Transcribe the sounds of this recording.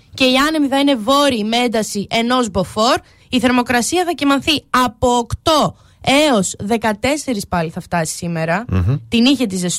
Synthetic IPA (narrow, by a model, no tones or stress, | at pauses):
ce̞iɐnemiθɐine̞vo̞ɾimeend̪ɐsiʔe̞no̞zbo̞fo̞ɾ | iθe̞ɾmo̞kɾɐsiɐθɐcimɐnθiɐpo̞ːkt̪o̞ | e̞o̞sðe̞kɐt̪e̞se̞ɾispɐliθɐft̪ɐsi̥sime̞ɾɐt̪iniçet̪̬izes